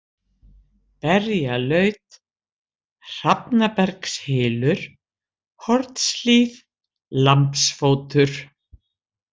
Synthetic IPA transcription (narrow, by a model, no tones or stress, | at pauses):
pɛɾjalœɥt̪ | r̥apnapɛɾkshɪːlʏɾ̥ | hʰɔɾt̪sliːð | lampsfoːwt̪ʏɾ̥